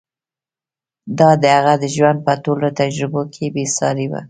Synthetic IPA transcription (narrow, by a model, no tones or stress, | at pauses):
d̪ɑd̪əhaɣad̪əʒwand̪̚pətolot̪ad͡ʒɾɪbokʰebesɑɾewa̰